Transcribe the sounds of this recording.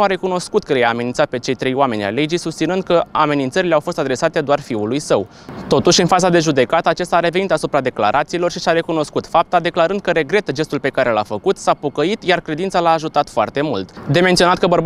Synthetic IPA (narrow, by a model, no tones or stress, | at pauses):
nuaɾe̞kuno̞skut̪̚kəlejaːme̞ninsat̪̚pe̞t͡ʃe̞jt̪ɾe̞joame̞nʲa̰le̞d͡ʒijsust̪inɨnd̪̚kəame̞nint̪səɾileawfo̞st̪ad̪ɾe̞sat̪e̞d̪oarfiulujsəw | t̪o̞t̪uʃʲɨnfazad̪e̞ʒud̪e̞kat̪əat͡ʃest̪aɾe̞ve̞nit̪asupɾad̪e̞kla̰ɾʔat̪siːlo̞rʃisaɾe̞kuno̞skut̪fap̚t̪ad̪e̞klaɾɨnd̪̚kəɾe̞ɡɾe̞t̪əd͡ʒe̞st̪ulpe̞kaɾe̞la̰fəkut̪sapo̞kəit̪jarkɾe̞d̪int̪salaːʒut̪at̪foa̰rt̪e̞mult̪d̪ement̪sionat̪̚kəbərb